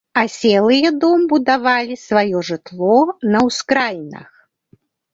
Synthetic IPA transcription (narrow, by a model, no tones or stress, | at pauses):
ɐsʲɛlˠɨjɐd̪ɔmbud̪avalʲisvajɔʐɨt̪lˠɔnɐwskɾajʲnɐ̰x